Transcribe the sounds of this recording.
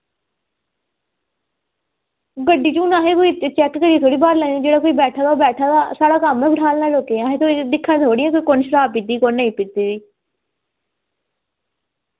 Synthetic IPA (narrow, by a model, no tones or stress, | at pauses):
ɡəɖiːt͡ʃũːnaːɦeːkoːiːt͡ʃɛkɡəɽit̪ʰoːɽiːbaːɾlãːd͡ʒeːɽaːkoːiːbɛːʈʰaːd̪abɛːʈʰaːd̪aːsaːɽaːkəmːẽːbəʈʰaːlnaːloːkeãːɦeːt̪ʰoːid̪ɪkʰːãːd̪oːɽɪjɛ̃ːkoːiːkonʃəɾaːbpit̪ːiːkonːeĩːpɪt̪iːd̪iː